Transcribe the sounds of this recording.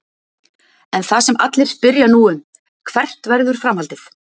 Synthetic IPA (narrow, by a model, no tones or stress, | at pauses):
ɛnθasɛma̰t̪lɪɾ̥spɪɾjanuːʏm | kʰvɛr̥t̪vɛɾðʏɾ̥fɾamhalt̪ɪθ